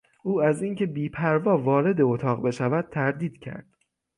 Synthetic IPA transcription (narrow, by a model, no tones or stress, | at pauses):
ʔuːæziŋcʰe̞biːpʰæɾvɒːvɒːɾe̞d̪e̞ot̪ʰɒːɣbe̞ʃævæd̪̥̚t̪ʰæɾd̪iːd̪̥cʰæ̰ɾd̪̥